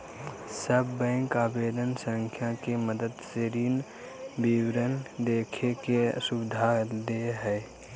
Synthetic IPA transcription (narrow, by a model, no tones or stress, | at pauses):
səbːɛ̃ːŋkaːbeːd̪ənsə̃ŋkʰjakeməd̪əd̪seɾiːn | biwɾənd̪eːkʰekesʊbɪd̪ʱad̪eɦɛː